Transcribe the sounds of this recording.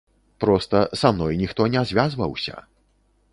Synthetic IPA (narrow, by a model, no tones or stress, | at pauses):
pɾɔst̪ɐsamnɔjnʲixt̪ɔnʲɛazʲvʲazvɐwsʲɐ̰